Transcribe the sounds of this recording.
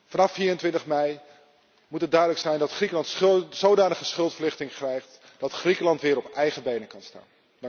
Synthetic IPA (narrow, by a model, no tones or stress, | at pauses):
vɑnɑfːiːrəntʋɪntəχmɛj | mutɦət̚dœɥdələksɛjndɑtχrikəlɑntsowdaːnəχəsχɵlˠtfəɹlɪχtɪŋkrɛjχt | d̥ɑtχrikəlɑntʋɪːɾɔpɛjχəbejnəkɑnsta̰ːn